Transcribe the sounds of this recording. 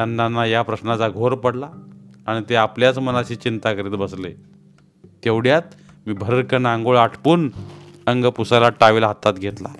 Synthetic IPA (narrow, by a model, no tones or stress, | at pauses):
anːanːajapɾəɕnat͡saɡʱoɾpəɽlaaɽ̃it̪eapljat͡smənat͡ɕiːt͡ɕint̪akəɾiːt̪bəsle | t̪eʋɽjat̪̚ | miːbʱəɾəɾkənãŋɡoɭaʈʰpuːnəŋɡəpusalaʈaʋilɦat̪at̪ɡʱet̪la̰